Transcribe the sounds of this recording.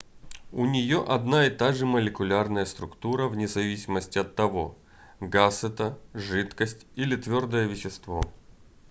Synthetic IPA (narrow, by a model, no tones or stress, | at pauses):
ʊnʲɪjoʔɐd̪naɪt̪aʐɨməlʲɪkʊlʲarnəjəst̪ɾʊkt̪uɾəvnʲɪzɐvʲisʲɪməsʲtʲɪɐt̪ːɐvo̞̰ | ɡasɛt̪əʐɨt̪kəsʲtʲilʲɪt̪vʲo̞rd̪əjəvʲɪɕːɪst̪vo̞̰